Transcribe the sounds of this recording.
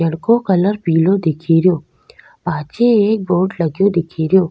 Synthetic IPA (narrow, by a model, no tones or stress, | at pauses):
ɐɽkõkɐləɾpiːlõd̪ɪkʰeːɾjoː | paːt͡ʃeeːk̚boːʈlɐɡjod̪ɪkʰeːɾjoː